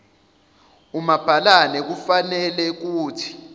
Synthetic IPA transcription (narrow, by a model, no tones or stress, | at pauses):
umab̥ʱalanɛk̬ufanɛlɛk̬uːtʰi̥